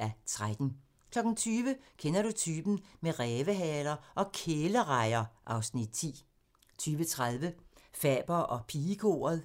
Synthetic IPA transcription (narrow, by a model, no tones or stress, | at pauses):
æt͡sʰʁad̥n̩ | kʰlɒ̽ɡ̥n̩t͡sʰyːʋəkʰenɐɾut͡sʰyːb̥n̩meʁɛːʋəɦɛːlɐʔɒ̽kʰeːləʁɑ̈ɪɐʔɑ̈ʊsnid̥̚t͡sʰḭː | t͡sʰyːʋət͡sʰʁaðˠʋəfɛ̰ːb̥ɐʔɒ̽pʰiːkʰo̝̰ːɐð̩ˠ